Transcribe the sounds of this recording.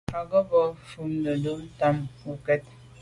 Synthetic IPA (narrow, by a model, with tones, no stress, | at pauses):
a˨ɡə˦bɔ˦fu˦˨mnə˨do˦n̩˦ta˦mu˨kɛ˦t̚